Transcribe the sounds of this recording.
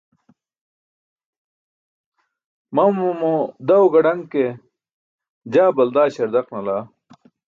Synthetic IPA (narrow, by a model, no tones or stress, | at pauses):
mɐmmod̪ɐwɡɐɽɐŋke | d͡ʑaːbɐld̪aːɕɐɾd̪ɐqnɐlaː